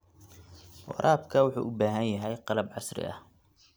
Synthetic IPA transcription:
wɑ̰ɾˤɑːbkʰɐwʊħṵːʔʊːbaːɦænjɐɦɛjqɑlɐbʕɑsɾɪ̰ʔɐ̰h

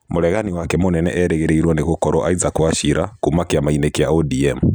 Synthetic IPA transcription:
moɾɛɣaniwakɛmonɛnɛ̰ʔɛɾɛɣɛɾeiɾwaneɣokɔɾɔʔaizakwaʃiɾʔakumakiamainekjaɔdiɛmu

